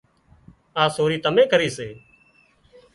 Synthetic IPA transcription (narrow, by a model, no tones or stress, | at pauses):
aːsoːɾiːt̪əmẽːkəɾiːseː